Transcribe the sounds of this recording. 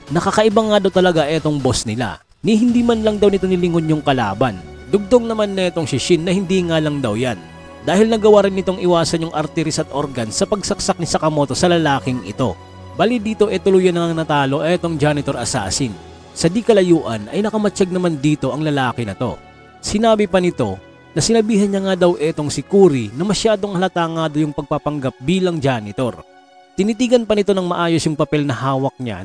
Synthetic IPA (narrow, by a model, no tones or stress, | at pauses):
nɐkakɐʔɪbaŋad̪ɐwt̪ɐlɐɡaʔɛt̪o̞ŋbo̞snɪla̰ | niɦɪnd̪iːmɐnlɐŋd̪ɐwnɪt̪o̞nɪlɪŋonjʊŋkɐla̰ːbɐn | d̪ʊɡ̚t̪oŋnɐmanːɐɛt̪o̞ŋʃɪʃɪnːɐhɪnd̪iŋalɐŋd̪ɐwjan | d̪aːhɪlnɐɡɐwaɾɪnːɪt̪o̞ŋʔɪwaːsɐnjʊŋʔɐɾt̪ɛɾisɐt̪ʔoɾɡɐnsɐpɐɡ̚sɐk̚sɐk̚nɪsɐkɐmo̞t̪o̞sɐlɐlaːkɪŋɪ̰t̪o̞ | baːlid̪iːt̪o̞ʔɛt̪ʊlujɐnɐŋɐŋnɐt̪aːlo̞ʔɐɛt̪o̞ŋd͡ʒaːnɪt̪o̞ɾʔɐsa̰ːsɪn | sɐd̪ikɐlɐjuːʔɐ̰nʔɐ̰jnɐkɐmɐt͡ʃaɡ̚nɐmand̪iːt̪o̞ʔɐŋlɐlaːkɪnɐt̪o̞̰ | sɪnaːbipɐnɪt̪o̞ | nɐsɪnɐbiːɦɐnɲɐŋad̪ɐwʔɛt̪o̞ŋsɪkuːɾinɐmɐʃjaːd̪o̞ŋhɐlɐt̪aːŋaːd̪ojʊŋpɐɡ̚papɐŋɡap̚biːlɐŋd͡ʒanɪt̪o̞̰ɾ | t̪ɪnit̪iːɡɐnpɐnɪt̪o̞nɐŋmɐ̰ʔaːjo̞sjʊŋpɐpɛlnɐhaːwɐk̚ɲa̰